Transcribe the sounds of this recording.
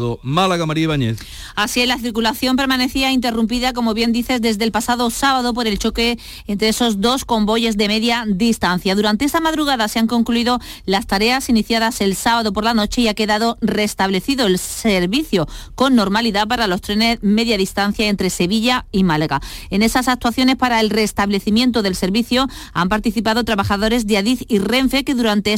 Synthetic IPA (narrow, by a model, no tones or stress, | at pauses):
ðomalaɣamaɾieβaɲeθ | asielaθiɾkulaθjo̞mpe̞ɾmane̞θiaint̪e̞rump̬iðak̬o̞mo̞βje̞nd̪iθe̞zðe̞zðelpasaðo̞saβaðo̞p̬o̞ɾe̞lt͡ʃo̞ke̞ː | nt̪ɾeeso̞zd̪o̞sko̞mbo̞ʝe̞zðe̞meðjaðist̪anθjaðuɾant̪eest̪amaðɾuɣ̞aðase̞aŋko̞ŋkluiðo̞ | last̪aɾe̞asiniθjaðase̞lsaβaðo̞p̬o̞ɾlano̞t͡ʃe̞iake̞ðaðo̞re̞st̪aβle̞θiðo̞elseɾβiθjo̞ko̞nːo̞ɾmaliðapaɾalo̞st̪ɾeneme̞ðjaðist̪an̟θjae̞nt̪ɾe̞se̞βiʎaimalaɣae̞ne̞sasak̚t̪waθjo̞ne̞spaɾae̞lre̞st̪aβle̞θimje̞nt̪oðe̞lse̞ɾβiθjo̞ampaɾt̪iθipaðot̪ɾaβaxaðo̞ɾe̞zðeaðiθire̞ɱfe̞ke̞ðuɾant̪e